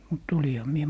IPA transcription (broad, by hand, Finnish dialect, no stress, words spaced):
mut olihɑ mie